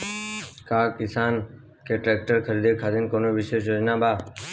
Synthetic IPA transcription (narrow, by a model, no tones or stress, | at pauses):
kaːkɪsaːn | keːʈɾeːk̚ʈəɾkʰəɾiːd̪eːkʰaːd̪enkoːnoːʋɪʃeːʃjoːd͡ʒnaːbʱaː